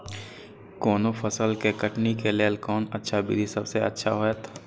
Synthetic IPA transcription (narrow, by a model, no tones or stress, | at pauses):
kɔːnopʰɐsəlkekəʈnikelelkɔːnɐtːʃʰabḭd̪ʱisɐbseɐ̰tːʃʰa̰ɦoɛt̪ʰː